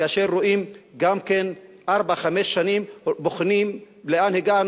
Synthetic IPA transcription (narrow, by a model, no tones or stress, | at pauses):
aʃeɾːoʔimɡamken | ʔaʁbaχameʃːanimboχnim | leanheɡan